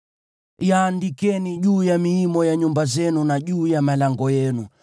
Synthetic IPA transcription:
jaːndikɛniʄuːjamiimɔjaɲumbazɛnunaʄuːjamalaŋɡɔjɛnu

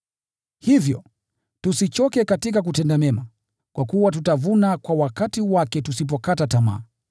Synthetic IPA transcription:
hivjɔ̰ | tusit͡ʃɔkɛkatikak̬utɛndamɛma | kwakuwat̬utavunakwawakatiwakɛtusip̬ɔkatatama̰ː

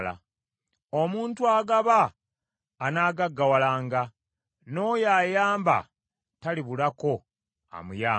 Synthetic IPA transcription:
la̰ | omuːntuaːɡaβaː | naːɡaɡːawalaːŋɡa | no̞jaːjaːmba̰ | taliβulako̞ | a̰mujaː

